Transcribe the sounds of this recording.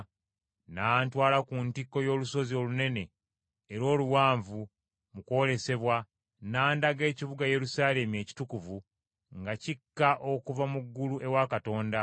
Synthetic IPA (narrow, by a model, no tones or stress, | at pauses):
naːntwaːlakuntikːo̞jo̞ːluso̞zio̞lune̞ne̞ː | ɾo̞ːluwaːɱvu | muko̞ːle̞se̞βwa | naːndaɡe̞ːcivuɡaje̞ɾusaːle̞mie̞ːci̥tukuvu | ŋɡacikːaʔo̞kuvamuɡːuluʔe̞wakato̞ːnda